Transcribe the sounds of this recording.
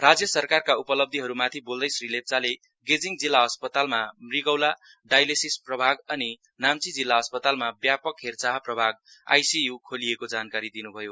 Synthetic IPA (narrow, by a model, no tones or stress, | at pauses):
rad͡zjʌsʌrkarkaupʌlʌb̚d̪ʱiɦʌɾumat̪ʰibold̪ʌjsrilep̚t͡sale | ɡed͡ziŋd͡zilːaɦʌspʌt̪almamriɡʌwla | ɖajlesisprʌbʱaɡʌni | namt͡sid͡zilːaɦʌspʌt̪almabjapʌkɦert͡saɦprʌbʱaɡ̚ | a̰jsijukʰoliekod͡zankaɾid̪inubʱʌjo